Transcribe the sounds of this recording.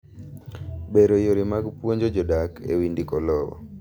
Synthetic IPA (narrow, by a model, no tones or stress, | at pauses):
beɾojoɾimaɡpwoɲd͡ʒɔd͡ʒɔdakʰḛwindikɔlɔwɔ̰